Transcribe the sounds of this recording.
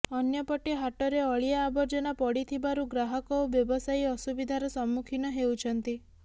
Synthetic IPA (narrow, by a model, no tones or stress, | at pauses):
ɔnjɔpɔʈeɦaʈɔɾeɔɭiaːbɔɾd͡ʒɔnapɔɽit̪ʰibaɾuɡɾaɦɔkɔubjɔbɔsajɔsubid̪ʱaɾɔsɔmːukʰinɔɦewt͡ʃʰɔnt̪i